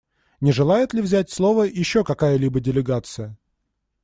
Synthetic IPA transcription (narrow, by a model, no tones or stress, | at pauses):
nʲɪʐɨlˠajɪt̪lʲɪvzʲætʲslˠo̞vəjɪɕːo̞kɐkajəlʲibədʲɪlʲɪɡat̪sɨjə